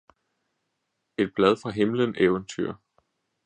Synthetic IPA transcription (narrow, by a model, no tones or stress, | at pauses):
e̝d̥̚b̥lɛð̞ˠfʁɑ̈ɦe̝mləneːʊənt͡sʰyɐ̰